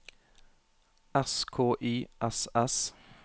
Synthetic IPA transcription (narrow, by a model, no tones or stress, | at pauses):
ɛskʰoːʔiːʔɛsɛs